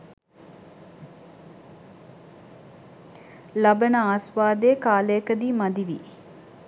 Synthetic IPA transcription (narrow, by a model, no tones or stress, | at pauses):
labənəaːsʋaːd̪əjːkaːləjəkəd̪imad̪iʋi